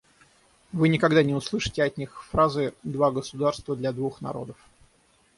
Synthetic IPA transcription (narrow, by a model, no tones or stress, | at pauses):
vɨnʲɪkɐɡd̪anʲɪʊslˠɨʂɨ̥tʲɪɐtʲnʲixfɾazɨd̪vaɡəsʊd̪arst̪vəd̪lʲad̪vuxnɐ̰ɾo̞̰d̪əf